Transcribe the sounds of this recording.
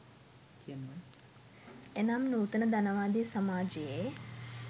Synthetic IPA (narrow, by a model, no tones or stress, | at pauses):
kiɐmːɐn | enamnuːt̪ənəd̪ɐnəʋaːd̪isɐmaːd͡ʒeje